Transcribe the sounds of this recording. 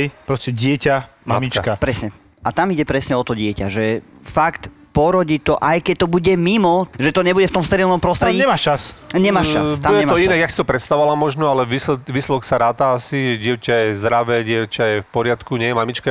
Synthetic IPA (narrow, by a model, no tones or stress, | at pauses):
jpɾɔscɛɟɪɛcamamit͡ʃkapɾɛsɲɛ | at̪amiɟɛpɾɛsɲɛɔt̪ɔɟɪɛca̰ʒɛ | fakt̪ | pɔɾɔɟiːt̪ɔʔajkɛc̚t̪ɔbuɟɛmimɔʒɛt̪ɔɲɛbuɟɛft̪ɔmst̪ɛɾilnɔmpɾɔst̪ɾɛiɲɛmaʃt͡ʃasɲɛmaːʃab̪ujɛɛmɔinaɡjaksi̥t̪ɔpɾɛt̪st̪aɔalamɔʒnɔalɛʋislɛʋiːslɛd̪ɔksaɾaːt̪aasiɛɟɪɛʊcajɛzd̪ɾaʋɛːɟɪɛʊcajɛfpɔɾɪat̪kuɲɪɛjɛmamit͡ʃka